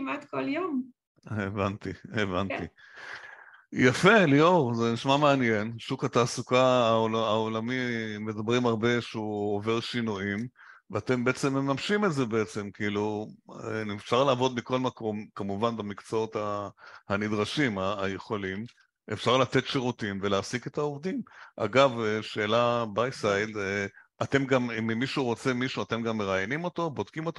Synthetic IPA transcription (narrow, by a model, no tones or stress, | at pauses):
imatkoljom | evant̪ievanti | jafe̞lioʁzeniʃmame̞anje̞nʃukat̪aːsukaːolaolamimed̪abʁimaʁbe̞ʃeuove̞ʁʃinuim | veat̪e̞mbeet͡se̞mːemamʃimeze̞beet͡se̞mkiilu | efʃaʁlaːvo̞d̪miko̞lmako̞mkamuvanbamikt͡soot̪ahanid̪ʁaʃimaːje̞χo̞lim | ʔefʃaʁlat̪e̞tʃeʁutimvelasiketaovd̪imʔa̰ɡaveʃeːlabajsajdeʔat̪e̞mɡammimiʃuʁo̞t͡semiʃuat̪e̞mɡamːe̞ʁajnimo̞t̪o̞bod̪kimo̞t̪o